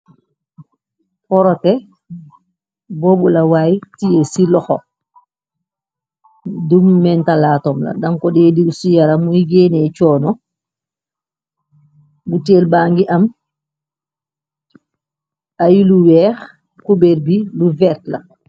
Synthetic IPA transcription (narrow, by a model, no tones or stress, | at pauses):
pɔɾɔtɛ | boːbulawaːjtijesilɔxɔ | dumːɛntalaːtɔmla̰daŋkɔdɛːdisujaɾamujiɡeːnɛt͡ʃɔːnɔ | buteːlbaːŋɡiʔam | ajiluwɛːx | kubeɾbiluvɛɾtla̰